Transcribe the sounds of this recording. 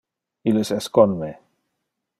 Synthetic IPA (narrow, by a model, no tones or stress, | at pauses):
ilesɛskonme